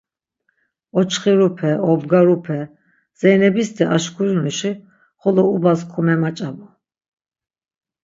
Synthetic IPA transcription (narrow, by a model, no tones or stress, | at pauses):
ɔt͡ʃʰχiɾupʰɛɔbɡaɾupʰɛ | z̥ɛnɛbist̪ʰɛʔaʃkʰuɾunuʃi | χɔlɔubaskʰumɛmat͡ʃʼabɔ